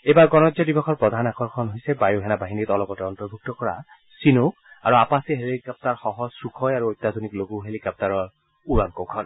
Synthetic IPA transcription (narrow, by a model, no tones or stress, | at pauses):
ejbaɹɡɔnɔzɔdibɔxʰɔɹpɹɔd̪ʱanakʰɔɹkʰɔnɦojsɛbajuɦɛnabaɦinitɔlɔkɔtɛɔntɔɹbʱuk̚tɔkɔɹa̰ | sinoka̰ɹuapasiɦelikap̚taɹxɔɦɔz̥sukʰɔjaɹuojtːad̪ʱonikloɡuɦelikap̚taɹɔɹ | uɹankowkʰɔn